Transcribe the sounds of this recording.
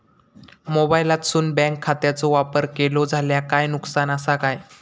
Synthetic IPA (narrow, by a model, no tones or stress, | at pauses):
mobajlat̪suːnbɛ̃ŋkʰːat̪jat͡sɔʋapəɾkelod͡zʱaljakajnuksanəsakaj